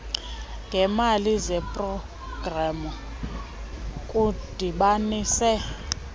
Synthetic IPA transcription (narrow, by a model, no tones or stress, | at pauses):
ŋɡʱɛmalizɛpʼrɔ | ɡ̥ramu | kʼud̥ʱiɓaniːsɛ